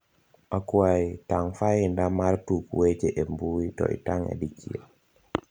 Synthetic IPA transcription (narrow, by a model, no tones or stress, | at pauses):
akwaitaŋfaɪndamaɾtukwet͡ʃeʔembuwitɔ̰ʔḭtaŋḛdikʰia̰